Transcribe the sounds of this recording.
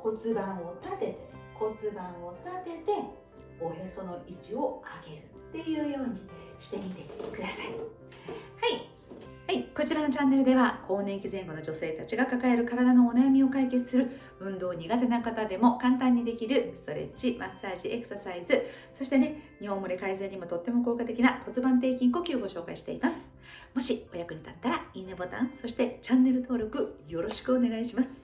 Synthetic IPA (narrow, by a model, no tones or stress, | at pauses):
ko̞t͡sɨbãɰ̃ot̪at̪e̞ko̞t͡sɨbãɰ̃o̞t̪at̪e̞t̪e̞ | ojo̞so̞no̞ʔit͡ɕio̞aɡe̞ɾɯ̟tt̪ːe̞jɯ̟ːjo̞ːɲ̟i | ɕi̥t̪e̞mʲit̪e̞kɯd̪asai | hai | haiko̞t͡ɕiɾano̞t͡ɕãnːe̞ɾɯ̟d̪e̞βakʰo̞ːnẽ̞ŋkʲizẽ̞ŋɡo̞no̞d͡ʑo̞se̞ːt̪at͡ɕiɡakakae̞ɾɯ̟kaɾad̪ano̞ːnajamʲio̞kaike̞t͡sɨ̥sɨɾɯ̟ | ɯ̟̃nd̪o̞ːɲ̟iɡat̪e̞nakat̪ad̪e̞mo̞kãnt̪ãɲ̟ːid̪e̞kʲiɾɯ̟sɨ̥t̪o̞ɾe̞̰t͡ɕimʔasːaːʑiʔe̞kɯ̟̥sasaizɨso̞ɕi̥t̪e̞ne̞ɲ̟ihõ̞mːo̞ɾʲikaizeɲ̟imo̞t̪o̞t̪ːe̞mo̞ko̞ːkat̪e̞kʲinako̞t͡sɨbãnt̪̬e̞ːkʲĩŋko̞ːkʲioɡo̞ɕo̞ːka̰iɕi̥t̪e̞̰imasɨ̥ | mo̞ɕio̞jakɯ̟ɲ̟it̪at̪ːaɾainebot̪ã̰ɰ̃so̞ɕi̥t̪e̞t͡ɕãnːe̞ɾɯ̟t̪o̞ːɾʲo̞kɯ̟jo̞ɾo̞ɕi̥kɯ̟o̞ne̞ɡaiɕimasɨ̥